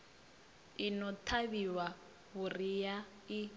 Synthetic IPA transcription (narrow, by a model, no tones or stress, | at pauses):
inɔtʰaβiwa | ɣurija | i